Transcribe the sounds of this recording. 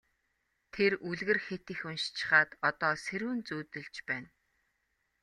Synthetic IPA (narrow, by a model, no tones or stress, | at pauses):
t̪ʰeruɮɣɘ̆rxet̪ĭxunʃt͡ɕʰɪ̥̆χaːt̪ɔt̪ɔːseɾuːnt͡suːt̪ɘ̆ɮt͡ɕpæːn